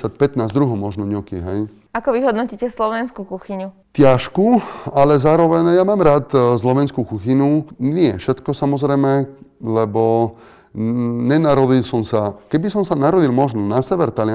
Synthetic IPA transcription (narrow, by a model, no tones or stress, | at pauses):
ac̚pɛt̪naːzd̪ɾuɦɔmɔʒnɔɲukiɦɛj | akɔʋiɦɔd̪nɔciːcɛslɔʋɛnskukuxiɲu | t̪jaʃkualɛzaːɾɔʋɛnjamaːmɾaːt̪slɔʋɛnskukuxinunɪɛfʃɛt̪kɔsamɔzɾɛjmɛlɛbɔ | ɲɛnaɾɔd̪ilsɔmsakɛbisɔmsanaɾɔd̪ilmɔʒnɔnasɛʋɛɾt̪alɪ